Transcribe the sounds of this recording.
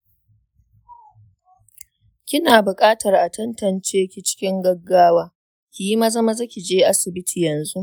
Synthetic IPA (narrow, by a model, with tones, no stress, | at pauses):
kʲɪ˦naː˨bʊ˨kʼaː˦tɐ˨rʔa˨tɐ˦ntɐ˨nt͡ʃeː˦kʲi˦t͡ʃɪ̥˦kʲɪ˦ŋɡɐ˦ɡːaː˦waː˦ | kʲi˨ji˦ma˦zɐ˦ma˦za˦kʲi˨d͡ʒeː˦ʔa˦sɪ˨bɪ˦tʰiː˨jɐ˨nzu˦ʔ